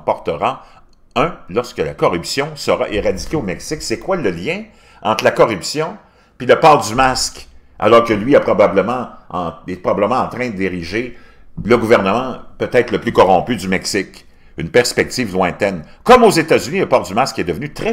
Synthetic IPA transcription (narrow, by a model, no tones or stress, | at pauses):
pɔʁt̪əʁɑ | œ̃lɔʁskəlakɔʁypsjɔ̃səʁa̰ʔeʁad͡zi̥kʲeomɛksɪksɛkwaləljɛ̃ | ɑ̃t̪χlakɔʁypsjɔ̃ | piləpɑːʁd̪ymask | ʔa̰lɔʁkəlɥiɛpʁɔbabləmɑ̃ɑ̃ɛpʁɔbaləmɑ̃ɑ̃t̪ʁɛ̃d̪d̪eʁiʒe | ləɡuvɛʁnəmɑ̃pøt̪ɛt̪χləplykɔʁɔ̃pyd̪ymɛksɪk | ynpɛʁspɛk̚t̪iːvlwɛ̃t̪ɛnkɔmozet̪azyniləpɑːʁd̪ymaskɛd̪əvnyt̪ʁɛ